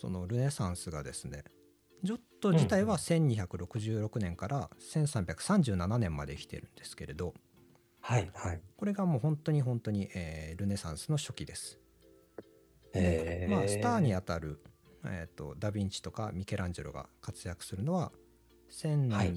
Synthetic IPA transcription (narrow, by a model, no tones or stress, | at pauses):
so̞̰no̞ɾɯ̟ne̞sãɰ̃sɨɡad̪e̞sɨne̞ | d͡ʑo̞t̪ːo̞d͡ʑit̪aiβasẽ̞ɲ̟ːiçakɯ̟ɾo̞kɯ̟ʑɨːɾo̞kɯ̟nẽ̞ŋkaɾʔasẽ̞ɰ̃sãmbʲakɯ̟̥sãɲ̟d͡ʑɨːnananẽ̞mːad̪e̞ikʲi̥t̪e̞̰ɾɯ̟̃nd̪e̞sɨ̥ke̞ɾe̞d̪o̞ | haihako̞ɾe̞ɡamo̞ːhõ̞nt̪o̞ɲ̟iɦõ̞nt̪o̞ɲ̟iʔeːɾɯ̟ne̞sãɰ̃sɨno̞ɕo̞kʲid̪e̞sɨ̥ | d̪emasɨ̥t̪aːɲ̟iat̪aɾɯ̟ | et̪ːo̞̰d̪abʲĩɲt͡ɕi̥t̪o̞ka̰mʲike̞ɾʔãɲ̟d͡ʑḛɾo̰ɡa̰kat͡sɨjakɯ̟̥sɨɾɯ̟no̞βa | sẽ̞na